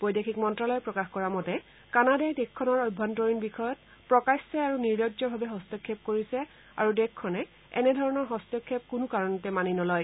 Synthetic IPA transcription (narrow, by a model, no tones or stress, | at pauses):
pɔjdekʰikmɔntɹalɔjpɹɔkaxkɔɹamɔtɛ | kanadajdekkʰːɔnɔɹɔjbʱːantɔɹinbixɔjɔt̚ | pɹɔkassɛaɹuniɹdɔdzɔbʱabɛɦɔstɔkʰːep̚koɹisɛ | a̰ɹudekkʰːɔnɛ | ɛ̰nɛdʱɔɹɔnɔɹɦɔstɔkʰːep̚kunʊkaɹɔnɔtɛmaninɔlɔj